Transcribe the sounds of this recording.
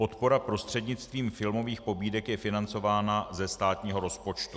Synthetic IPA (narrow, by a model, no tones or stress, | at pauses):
po̞t̪po̞ɾapɾo̞st̪r̥ɛdɲɪt͡st̪viːmfɪlmo̞viːxpo̞biːdɛkjɛfɪnant͡so̞vaːnazɛst̪aːt̪ɲiːɦo̞ɾo̞spo̞t͡ʃt̪u̥